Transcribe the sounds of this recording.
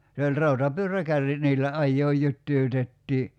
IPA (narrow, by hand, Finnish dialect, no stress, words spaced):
se olʲ rɑutɑpyørˑækærːit niːlːæ ɑjːoːj jytːyːtetːiː